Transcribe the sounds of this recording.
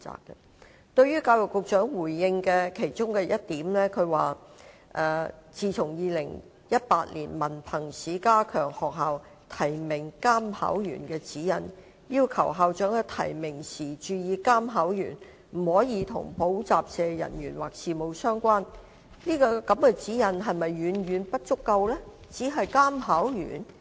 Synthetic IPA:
t͡sa̰ː˨kːɛ˧ | t̪ɵ˧ɥjɥyː˥kaː˧wjʊ˨kːʊ˨k̚t͡ʃœː˨˥ŋwuː˨˩jːɪ˧ŋkɛː˧kʰe˨˩jt͡ʃʊ˥ŋkɛː˧jɐ˥t̚t̪iː˨˥mlɛː˥kʰɵ˨˧ɥwaː˨˩ʔɛː˧t͡siː˨˩t͡sʰʊ˨˩ŋjiː˨˧lɪ˨˩ŋ | jɐ˥t̚paː˧t̚lḭː˨˩nmɐ˨˩npʰɐ˨˩ŋsiː˨˥kaː˥kʰœː˨˩ŋhɔː˨k̚ɦaː˨˧w | t̪ʰɐ˨˩jmɪ˨˩ŋkaː˥mha̰ː˨˥wjy̰ː˨˩nkɛː˧t͡siː˨˥jɐ˨˩n | jiː˥wkʰɐ˨˩wɦaː˨wt͡ʃœː˨˥ŋɐ˨˧t̪ʰɐ̰˨˩jmɪ˨˩ŋsiː˨˩t͡ʃyː˧jiː˨˧kaː˥mɦaː˨˥wjyː˨˩n | m̩˨˩hɔː˨˥jiː˨˧t̪ʰʊ̰˨˩ŋpo˨˥wt͡saː˨p̚sɛː˨˧jɐ̰˨˩njyː˨˩nwaː˨k̚siː˨mo˨˧wsœː˥ŋkʷaː˥n | niː˥kɔː˧kɐ˨˥mkɛː˧t͡siː˨˥jɐ˨˩nɦɐ˨jmɐ˨jːyː˨˧˥nɥyː˨˥npɐ˥t̚t͡ʃʊ˥kːɐ˧wlɛː˥t͡siː˨˥ɦɐ˨jkaː˥mɦaː˨˥wjy̰ː˨˩n

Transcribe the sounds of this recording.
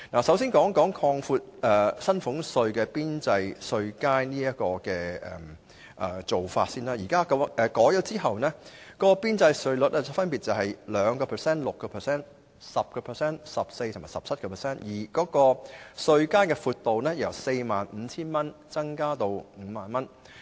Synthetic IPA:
naː˨˩sɐ˨˥wsiː˥nkɔː˨˥ŋkɔː˨˥ŋkʰɔː˧ŋfuː˧t̚ɛː˨˩sɐ˥nfʊ˨˥ŋsɵ˧ɥkɛː˧piː˥nt͡sɐ˧jsɵ˧ɥkaː˥jniː˥jɐ˥t̚kɔː˧kɛː˧ɛ̰˨m | ʔɛ̰˨˩t͡so˨wfa̰ː˧t̚siː˥naː˥jiː˨˩kaː˥kʔɛ˨˧kɔː˨˥jɔ˨˧˥t͡siː˥hɐ˨wnɛː˥kɔː˧piː˥nt͡sɐ˧jsɵ˧ɥlɵ˨t̚ɛː˥fɐ˥npi˨t̚t͡sɐ˨wɦɐ˨jlœː˨˧ŋkɔː˧pʰɛː˨˩sɛː˥nlʊ˨kːɔː˧pʰɛː˨sɛː˥n | sɐ˨p̚kɔː˧pʰɛ˨˩sɛː˥nsɐ˨p̚se˧jt̪ʰma̰˨˩sɐ˨p̚t͡sʰɐ˥t̚kɔː˧pʰɛː˨˩sɛː˥njiː˨˩kɔː˨˥kɔː˧sɵ˧ɥkaː˥jkɛː˧fuː˧t̚t̪o˨wnɛː˥jɐ˨˩wse˧jmaː˨nm̩ː˨˧t͡sʰiː˥nmɐ˥nt͡sɐ˥ŋkaː˥t̪o˧wm̩˨˥maː˨˩nmɐ˥n

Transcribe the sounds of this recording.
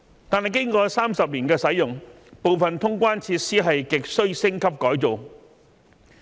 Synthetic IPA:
t̪aː˨nɦɐ˨jkɪ˥ŋkɔː˧saː˥msɐ˨p̚liː˨˩nkɛː˧sɐ˨˥jjʊ˨ŋ | po˨wfɐ˨nt̪ʰʊ˥ŋkʷwaː˥nt͡sʰiː˧t̚siː˥ɦɐ˨jkɪ˨k̚sɵ˥ɥsɪ˥ŋkʰɐ˥p̚kɔː˨˥jt͡so˨w

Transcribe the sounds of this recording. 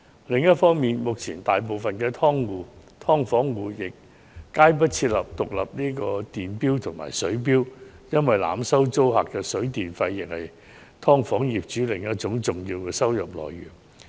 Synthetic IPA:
lɪ˨ŋjɐ˥t̚fɔː˥ŋmiː˨nmʊ˨k̚t͡sʰiː˨˩nt̪aː˨jp̬o˨wfɐ˨nkɛː˧t̪ʰɔː˥ŋwuː˨˧ | t̪ʰɔː˥ŋfɔː˨˥ŋwuː˨˧jɪ˨k̚ː | aː˥jp̬ɐ˥t̚t͡sʰiː˧t̚lɐ˨p̚t̪ʊ˨k̚lɐ̰˨p̚niː˥kɔː˧t̪iː˨˩npiː˥wt̪ʰʊ˨˩ŋma̰ː˨˩jsɵ˨˥ɥp̬iː˥w | jɐ˥nwɐ˨˩jla̰ː˨msɐ˥wt͡so˥wɦa̰ː˨kːɛː˧sɵ˨˥ɥt̪iː˨nfɐ˧jːɪ˨k̚hɐ˨j | t̪ʰɔː˥ŋfɔː˨˥ŋjiː˨p̚t͡ʃyː˨˥lɪ˨ŋjɐ˥t̚t͡ʃʊ˨˥ŋt͡sʊ˨ŋjiː˧wkɛː˧sɐ˥wjɐ˨˩p̚lɔ̰ː˨jːy̰ː˨˩n

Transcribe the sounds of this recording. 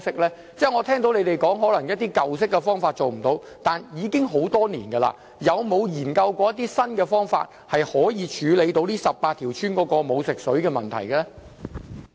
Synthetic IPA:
sɪ˥k̚lɛː˥ | t͡sɛː˥ŋɔː˨˧t̪ʰɛː˥ŋt̪o˨˧wnle˨˧jt̪e˨jkɔː˨˥ŋɦɔː˨˥lɐ˨˩ŋjɐ˥t̚t̪iː˥kɐ˨wsɪ˥k̚ːɛ˧fɔː˥ŋfaː˧t̚t͡so˨wm̩˨˩t̪o˨˧w | t̪aː˨njiː˨˧kɪ˥ŋɦo˨˥wt̪ɔː˥niː˨˩nɡɐ˧la̰˧ | jɐ˨˧wmo˨˧wjiː˨˩nkɐ˧wkʷɔː˧jɐ˥t̪̬ːiː˥sɐ˥nkɛː˧fɔː˥ŋfa̰ː˧t̚hɐ˨jhɔː˨˥jiː˨˧t͡ʃʰyː˨˧le˨˧jt̪o˨˧˥wliː˥sɐ˨p̚paː˧t̪ʰiː˨˩wt͡ʃʰyː˥nkɔː˨˥kɔː˧mo˨˧wsɪ˨k̚sɵ˨˥ɥkɛː˧mɐ̰˨nt̪ʰɐ̰˨˩jɡɐ˧lɛ˥

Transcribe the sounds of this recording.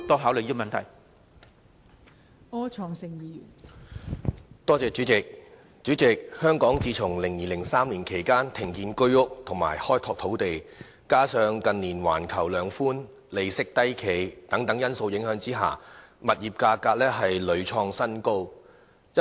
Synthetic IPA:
t̪ɔː˥ɦaː˨˥wlɵ˨˧jiː˥˧mɐ˨nt̪ʰɐ̰˨˩j | ɔː˥t͡ʃʰɔː˨˧ŋsɪ˨ŋjiː˨ | t̪ɔː˥t͡sɛː˨˧t͡syː˨˥t͡sɪ˨k̚ | t͡st͡ʃyː˨˥t͡sɪ˨k̚hœː˥ŋkɔː˨˥ŋt͡siː˧t͡sʰʊ˨˩ŋlɪ˨˩ŋjiː˨˧lɪ˨˩ŋsaː˥mliː˨˩nkʰe˨˩jkaː˥nt̪ʰɪ˨˩ŋkiː˧nkɵ˥ɥʊ˥k̚t̪ʰʊ˨˩ŋma̰ː˨˩jhɔː˥jt̪ʰɔː˧k̚t̪ʰo˨˥wt̪e˨j | kaː˥sœː˧ŋkɐ˨nliː˨˩nwa̰ː˨˩nkʰɐ˨˩wlœː˨˧ŋfuː˥n | le˨jsɪ˥k̚t̪ɐ˥jkʰe˨˩jt̪ɐ˨˥ŋt̪ɐ˨˥ŋjɐ˥nso˧wjɪ˨˥ŋɦœː˨˥ŋt͡siː˥ɦa̰ː˨˩mɐ˨t̚jiː˨p̚kaː˧kaː˧k̚lɛː˥ɦɐ˨jlɵ˨˧ɥt͡ʃʰɔː˧ŋsɐ˥nko˥w | jɐ˥

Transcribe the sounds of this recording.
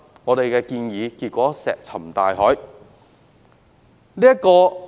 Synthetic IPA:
ŋɔː˨˧t̪e˨jkɛː˧kiː˧njiː˨˧kiː˧t̚kʷɔː˨˥sɛː˨k̚t͡sʰɐ˨˩mt̪aː˨jɦɔː˨˥j | liː˥jɐ˥kɔː˧

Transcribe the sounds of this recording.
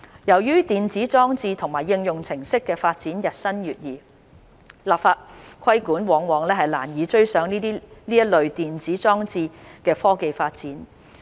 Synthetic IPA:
jɐ˨˩wjyː˥t̪iː˨nt͡siː˨˥t͡sɔː˥ŋt͡siː˧t̪ʰʊ˨˩ŋmaː˨˩jːɪ˧ŋjʊ˨ŋt͡sʰɪ˨˩ŋsɪ˥kːɛː˧faː˧t̚t͡siː˨˥njɐ˨t̚sɐ˥nɥyː˨t̚jiː˨˩ | laː˨p̚faː˧t̚kʰɐ˥jkuː˨˥nwɔː˨˧ŋwɔː˨˧ŋlɛː˥ɦɐ˨jla̰ː˨˩njiː˨˧t͡ʃɵ˥ɥsœː˨˥ŋniː˥niː˥jɐ˥t̚lɵ˨˧ɥt̪iː˨nt͡siː˨˥t͡sɔː˥ŋt͡siː˧kɛː˧fɔː˥ke˨jfaː˧t̚t͡siː˨˥n

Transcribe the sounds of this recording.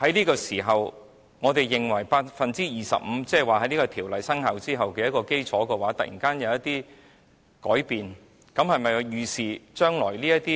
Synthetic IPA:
hɐ˨˥jliː˥kɔː˧siː˨˩ɦɐ˨w | ŋɔː˨˧t̪e˨jːɪ˨ŋwɐ˨˩jpaː˧t̚fɐ˨nt͡siː˥jiː˨˩sɐ̰˨p̚m̩˨˧˦t͡sɛː˥˩˨waː˨hɐ˨˧˥jniː˥kɔː˧t̪ʰiː˨˩wlɐ˨jsɐ˥ŋhɐ˨˧wt͡siː˥ɦɐ˨wkɛ˧jɐ˥kɔː˧ke˥jt͡sʰɔː˨˥kɛː˧waː˨˥t̪ɐ˨t̚jḭ˨˩ŋkaː˥njɐ˨˧wjɐ˥t̪iː˥ | kɔ̰ː˨˥jpiː˨n | kɐ˨˥mhɐ˨jmɐ˨jjyː˨˩siː˨t͡ʃœː˥ŋlɔ̰ː˨˩jliː˥jɐ˥t̪iː˥

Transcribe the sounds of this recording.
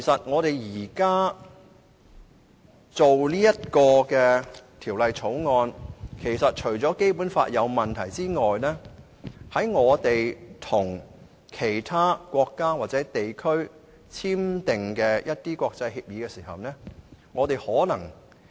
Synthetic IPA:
kʰe˨˩jsɐ˨t̚ŋɔː˨˧t̪e˨˩jjiː˨˩kaː˥ | t͡so˨wliː˥jɐ˥t̚kɔː˧kɛː˧t̪ʰiː˨˩wlɐ˨jt͡sʰo˨˥wŋɔː˧nkʰe˨˩jsɐ˨t̚t͡ʃʰɵ˨˩ɥt͡sɔː˨˥ke˥jpuː˨˥nfa̰ː˧t̚jɐ˨˧wmɐ˨nt̪ʰɐ˨˩jt͡siː˥ŋɔː˨jlɛː˥ | hɐ˨˥jŋɔː˨˧t̪e˨jt̪ʰʊ˨˩ŋ | kʰe˨˩jt̪ʰaː˥kʷɔː˧kːaː˥waː˨t̚t͡sɛ˨˥t̪e˨jkʰɵ˥ɥ | t͡sʰiː˥mt̪ɪ˨ŋkɛː˧jʔɐ˥t̚t̪iː˥kʷɔː˧k̚t͡sɐ˧jhiː˧p̚jiː˨˧˥kɛ˧siː˨˩ɦɐ̰˨wnɛː˥ŋɔː˨˧t̪e˨jhɔː˨˥lɐ˨˩ŋ

